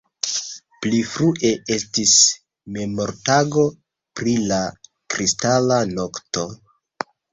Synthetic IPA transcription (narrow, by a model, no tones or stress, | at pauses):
plifɾuʔe̞e̞stis | me̞mo̞ɾtaɡo̞ | pɾila | kɾistalano̞kto̞